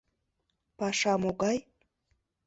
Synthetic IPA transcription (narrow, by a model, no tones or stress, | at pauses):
paʂamoɡaj